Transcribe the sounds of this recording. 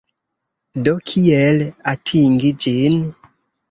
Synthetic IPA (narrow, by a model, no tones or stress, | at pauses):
dɔkʰiɛlatʰiŋɡid͡ʒen